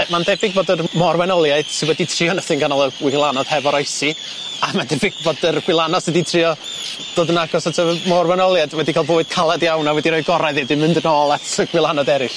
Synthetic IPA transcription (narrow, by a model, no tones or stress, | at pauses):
mandɛbɪɡboːdərmɔrwɛnɔlˠjaɨd̥sɪnwɛditʰrɪɔnəθɪnɡanɔlˠəwɪlˠanɔd̥hɛvɔɾɔjsi | amandɛbɪɡ̥̚boːdərɡ̥wɪlˠanɔsɛditʰrɪɔ | d̥oːdənaɡɔsatʰəmɔrwɛnɔlˠjadwɛdikʰaːlˠboːɨd̥̚kʰalˠadjawnawɛdiɾoːɨɡɔɾaɨðɨːdɨmɨndənɔːlˠatʰəɡ̥wɪlˠanɔdɛɾɪɬ